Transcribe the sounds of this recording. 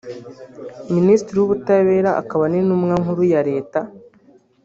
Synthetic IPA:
ministɾiwuβutaβe̞ːɾaʔa̰kaβanenumŋaŋhuɾujaɾe̞ːta

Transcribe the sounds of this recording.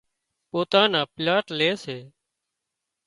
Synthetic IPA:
poːt̪aːnãːplaːʈleːseː

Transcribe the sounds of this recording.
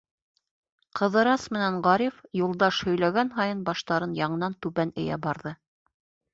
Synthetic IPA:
qʰɤ̆ðɤ̆ɾɑsmɘ̆næɴʁɑɾʲifjulˠd̪ɑʃhɵ̆jlæɡænɦɑjɤnbɑʃt̪ɑɾɤnjɑɴɤ̆nɑnt̪ʉβænɘ̆jæ̰bɑɾðɤ

